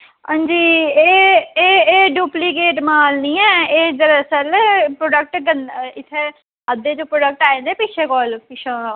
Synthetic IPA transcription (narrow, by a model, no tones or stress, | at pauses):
ãːnd͡ʒiːeːeːeːɖuːpliːk̬eːʈmaːlniːɛːeːd͡ʒəɾsəlpɾoːɖək̚ʈɡənɪt̪ʰːeː | əd̪eːd͡ʒõːpɾoːɖək̚ʈaːẽːnd̪eːpɪt͡ʃʰeːkɔːlpɪt͡ʃʰãː